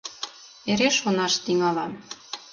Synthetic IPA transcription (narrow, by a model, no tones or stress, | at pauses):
eɾeʃonɑʃt̪iŋɑlɑm